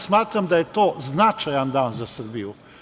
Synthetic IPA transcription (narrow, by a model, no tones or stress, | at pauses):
smaːt̪ɾamd̪ajet̪oːznat͡ʃajand̪aːnzasərbiju